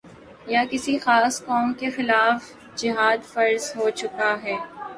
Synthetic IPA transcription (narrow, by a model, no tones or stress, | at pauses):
jakɪsixaːskɔːmkexɪlaːf | d͡ʒɪɦaːd̪fɐɾzɦot͡ʃʊkaɦɛː